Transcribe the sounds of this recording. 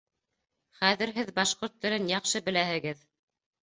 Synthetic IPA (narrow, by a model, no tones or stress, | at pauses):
χæðɘ̆ɾɦɘðbɑʃqoɾt̪ːɘ̆lɘnjɑχʃɤbɘ̆læhɘ̆ɡɘð